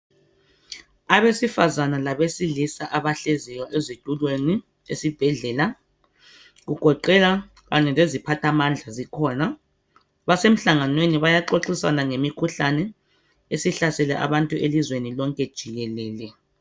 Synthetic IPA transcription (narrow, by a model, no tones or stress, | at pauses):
aβesifazanalaβesilisaʔaβaɬezijɔʔezitʼulweni | ḛsib̥ʱɛɮɛːla | ɣuɡ̥ʱɔǃɛla | ɣaɲɛlezipʰatʰamand͡ɮʱazikʰɔna | βasem̩ɬaŋanweniβajaǃoǁisanaŋemikʰuɬanɛ | esiɬasɛlɛ̰ʔa̰βantʼuʔelizwenilɔŋkʼɛd̥ʒ̥ʱiɣɛlɛːlɛ